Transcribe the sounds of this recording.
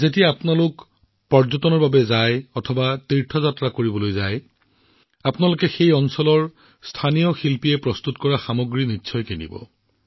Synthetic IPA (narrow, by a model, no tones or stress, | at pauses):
zetiaapʊnalʊk | pɔɹzɔtɔnɔɹbabɛzajɔtʰɔbatiɹtʰɔzatɹakoɹibɔlojzaj | apʊnalʊkɛxejɔnsɔlɔɹ | stʰanijɔxilpijɛpɹɔstutkɔɹaxamoɡɹinitːsʰɔjkenḭbɔ̰